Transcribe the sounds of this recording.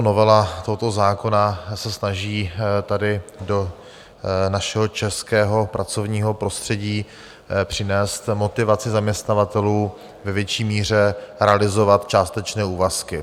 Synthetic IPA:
novɛlat̪oɦot̪o̞zaːko̞nasɛsnaʒiːt̪adɪdo̞ | naʃɛɦot͡ʃɛskɛːɦo̞pɾat͡so̞vɲiːɦo̞pɾo̞st̪r̥ɛɟiː | pr̝̥ɪnɛːst̪mo̞t̪ɪvat͡sɪzamɲɛst̪navat̪ɛluː | vɛvjɛt͡ʃiːmiːr̝ɛɾɛalɪzo̞vat̪t͡ʃaːst̪ɛt͡ʃnɛːuːvaskɪ

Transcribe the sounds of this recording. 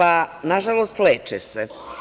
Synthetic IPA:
anaʒalost̪leːt͡ʃese

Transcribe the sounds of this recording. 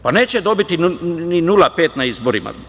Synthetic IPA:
pane̞ːt͡ɕed̪o̞bit̪ininulape̞ːt̪naizboɾima̰

